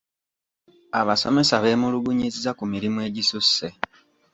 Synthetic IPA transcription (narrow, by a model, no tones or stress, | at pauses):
aβaso̞̰me̞saβe̞ːmuluɡuɲizizakumiɾimwe̞ːɟisusːe